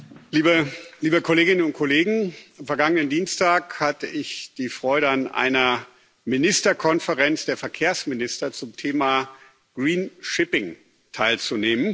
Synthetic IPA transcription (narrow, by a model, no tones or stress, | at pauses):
liːbəliːbəkʰoleːɡɪnənʊnt̚kʰoleːɡŋ̩amfɛɐɡaŋənəndiːnstaːkhatəʔɪçd̥iːfʁ̥ɔʏɾəanʔa̰ɪnɐ | mɪnɪstɐkʰɔnfəʁɛnt͡sd̥eːɐfɛɐkʰeːɐsmɪnɪstɐt͡sʊmtʰeːmaː | ɡ̥ʁiːnʃɪpɪŋ | tʰaɪlt͡suneːmən